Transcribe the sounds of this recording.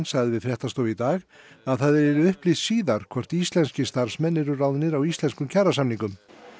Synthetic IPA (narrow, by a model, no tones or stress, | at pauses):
nsaɣðɪvɪðfɾjɛht̪ast̪owit̪aːɣ | aðθaðɛɾɛɾʏʏhplɪssiːðaɾ̥kʰvɔr̥t̪ist̪lɛnscɪst̪aɾ̥smɛnːɪɾʏraːwðɪnɪɾawist̪lɛnskʏmcʰaɾasamniŋkʏm